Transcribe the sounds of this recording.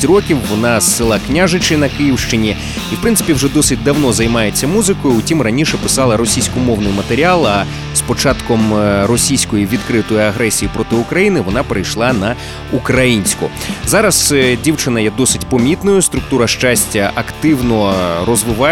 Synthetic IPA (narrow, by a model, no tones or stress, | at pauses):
rɔkʲiwːɔnɑsɪlˠɑknʲaʒɪt͡ʃɪnɐkɪjiwʃt͡ʃɪnʲi | iwpɾɪnsɪ̥pʲiwʐɛd̪ɔsɪt̚ʲd̪ɐwnɔzɐjmɑjet͡sʲːɐmuzɪkɔjʊʊtʲimrɐnʲiʃɛpɪ̥sɑlˠɐɾɔsʲijsʲkʊmɔwnɪjmɐt̪eɾʲialˠɐ | spɔt͡ʃɑt̪kɔmɾɔsʲijsʲkɔjiʋʲid̪kɾɪt̪ɔjʊɐɦɾɛsʲijipɾɔt̪ɪʊkɾɐjinɪʋɔnɑpeɾɐjʃlˠɑnɐ | ukɾɐjinʲsʲkʊ̰ | zɑɾɐszdʲiwt͡ʃɪnɐjɛd̪ɔsɪtʲpɔmʲit̪nɔjʊst̪ɾʊk̚t̪uɾɐʃt͡ʃasʲtʲɐʔɐkt̪ɪwnɔɾɔzʋɪʋɑ